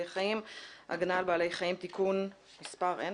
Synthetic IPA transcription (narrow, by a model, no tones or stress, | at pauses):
ejχaimʔa̰ɡnalbaːle̞jχajimt̪ikun | mispaʁen